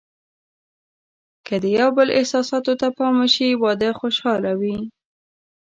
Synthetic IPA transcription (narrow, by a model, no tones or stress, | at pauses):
kəd̪əjawbəlɪ̰hsɑsɑt̪ot̪apɑməʃiwɑd̪əxoʃɑlawi